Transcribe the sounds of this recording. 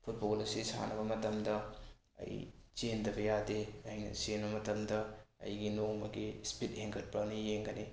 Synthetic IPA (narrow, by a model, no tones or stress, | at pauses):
pʰut̚bolɐsisa̰nɐbɐmɐtɐmdɐ | ɐ̰jt͡ʃendɐbɐjadeɐjnɐ̰senbɐmɐtɐmdɐɐ̰jɡinoŋmɐɡispit̚heŋkʰɐt̚pɐnijeŋɡɐni